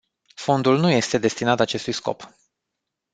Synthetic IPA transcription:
fo̞nd̪ulnuje̞st̪e̞d̪e̞st̪inat̪at͡ʃe̞st̪ujsko̞̰p

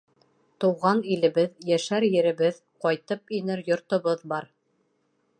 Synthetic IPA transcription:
t̪ŏwʁɑnilɘ̆βɘðjæʃæɾjɘ̆ɾɘ̆βɘð | qɒjt̪ɤp̚inɘɾjŏɾt̪ŏβɤðbɑɾ

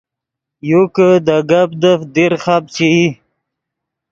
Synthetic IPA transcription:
jukəd̪aɡab̚d̪əfd̪iɾχab̚t͡ɕii

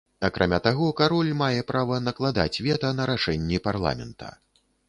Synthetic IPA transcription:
akɾʔamʲat̪aɣɔkaɾɔlʲmajɛpɾavɐnɐklˠad̪a̰t͡sʲvʲɛt̪ɐnɐɾaʂɛnʲːiparlˠa̰mʲɛ̰nt̪ʰɐ̰

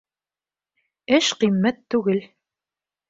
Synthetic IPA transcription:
ɘʃqimːæt̪ːʉɡɘl

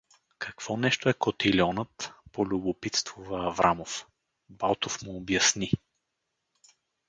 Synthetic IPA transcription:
kɐkv̥ɔnɛʃt̪oɛkot̪ilʲɔnət̪polʲʊbopit̪st̪vʊvəːvɾʔamof | balˠt̪ofmʊːbjɐsni

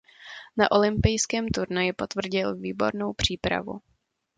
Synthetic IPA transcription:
naʔo̞lɪmpɪjskɛːmt̪uɾnajɪpo̞t̪vr̩ɟɪlviːbo̞̰ɾno̞wpr̝̥iːpɾa̰vṵ

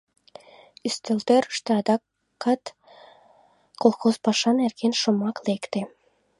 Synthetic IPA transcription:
yst̪ø̆lt̪øɾə̥ʃt̪ĕɑd̪ɑ | kːɑt̪ | kolˠxozpɑʃɑnerɣenʃomɑklekt̪e

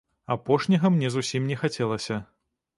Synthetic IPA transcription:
apɔʂnʲɐɣɐmnʲɛzusʲimnʲɛxat͡sʲɛlˠɐsʲɐ

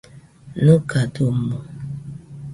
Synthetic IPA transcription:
nokatom̩mo

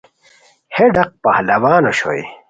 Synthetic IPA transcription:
heɖɐq̚pahlɐwaːnoɕo̰j

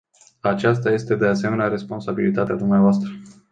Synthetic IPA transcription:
at͡ʃast̪aje̞st̪e̞d̪e̞ase̞me̞neaɾe̞spo̞nsabilit̪at̪ead̪umneavoast̪ɾə

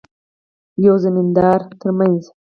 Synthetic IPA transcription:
jawzamind̪ɑɾt̪ʰəɾmanz

